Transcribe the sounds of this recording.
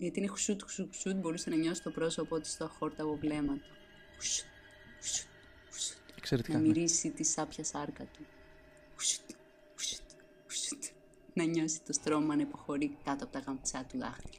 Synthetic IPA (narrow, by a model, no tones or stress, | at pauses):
ʝɐt̪iinexu̥sut̪u̥suu̥sut̪bo̞ɾusenɐɲo̞si̥t̪o̞pɾo̞so̞poot̪i̥st̪oɐxo̞ɾt̪ɐpovle̞mɐt̪o̥ | xu̥su̥t̪ | xu̥su̥t̪ | xu̥su̥t̪kseɾet̪nɐmiɾisit̪isɐpçɐsɐɾkɐt̪u | xu̥su̥t̪ | xu̥su̥t̪ | xu̥su̥t̪ | nɐɲo̞si̥t̪ost̪ɾo̞mɐnɐipo̞xo̞ɾikɐt̪oɐpot̪ɐkɐmpt͡sɐt̪ulɐ̰xti̥